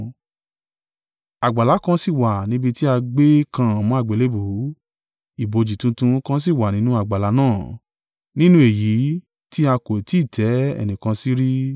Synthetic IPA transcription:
a˨ɡ͡ba˨la˨˦kã˧˦si˦˨wa˨nĩ˦bi˧ti˦a˧ɡ͡be˦kã˧ã˨mɔ̃˨˦a˦˨ɡ͡be˨le˨˦bu˨˦ | i˨bo˨d͡ʒi˨tũ˧tũ˧˦kã˦s̬i˦˨wa˨nĩ˦nũ˦a˦˨ɡ͡ba˨la˨˦nãː˦˨ | nĩ˦nũ˧˦e˨ji˨˦ | ti˦a˧ko˨ti˨˦i˦˨tʰɛ˨˦ɛ̰˨nĩ˨kã˧si˦ɾi˦

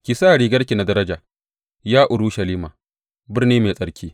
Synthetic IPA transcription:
kʲi˨saː˦˨ɽiː˨ɡɐ˦ɽkʲi˨na˨dɐ˦ɾɐ˦d͡ʒaː˨ | jaː˦ʔʊ˨ɽu˦ʃɐ˨liː˦maː˨ | bɪ˦rniː˦meː˨sʼɐ˦ɽkʲʰiː˦

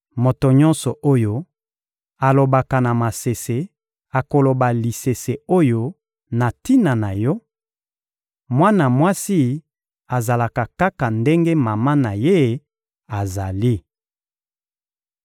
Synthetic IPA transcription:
mo˨to˨ɲɔ˦nsɔ˨ʔo˦jo˦ | a˨lo˨ba˨ka˨na˨ma˨se˨se˨ | a˨ko˨lo˨ba˨li˨se˨se˨o˦jo˦ | na˨ti˦na˨na˨jɔ˦ | mwa˦na˨mwa˦si˦ | a˨za˨la˨ka˨ka˦ka˨nde˦ŋɡe˦ma˨ma˦na˨je˦ | a˨za˨li˦

